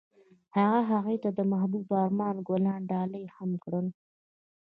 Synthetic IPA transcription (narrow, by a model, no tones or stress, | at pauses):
haɣaɦaɣejt̪ad̪əmahbubɑɾmɑnɡolɑɳɖɑləjhamkɽəl